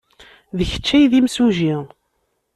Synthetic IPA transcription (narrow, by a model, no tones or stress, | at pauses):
ðəçə̥t͡ʃːæjðimsuʒi